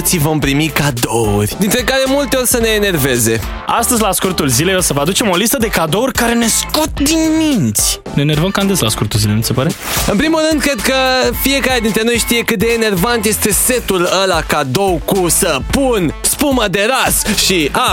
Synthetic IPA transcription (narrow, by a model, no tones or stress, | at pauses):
t̪sivo̞mpɾimikad̪o̞ṵrʲd̪int̪ɾe̞kaɾe̞mult̪e̞o̞rʲsəne̞ːne̞rve̞ze̞ | ast̪əzʲlaskurt̪ulzileosəvəad̪ut͡ʃe̞mo̞list̪əd̪e̞kad̪o̞urʲkaɾe̞ne̞sko̞t̪̚d̪inmint̪sʲ | neːne̞rvəmkand̪eslaskurt̪ulzilenut̪sepaɾe | ɨnpɾimulːɨnd̪̚kɾe̞d̪̚kəfie̞kaɾʲed̪int̪ɾe̞no̞jʃt̪ije̞kɨt̪̚d̪eːne̞rvant̪je̞st̪e̞se̞t̪uləlakad̪o̞wkusəpunspuməd̪e̞ɾasʃia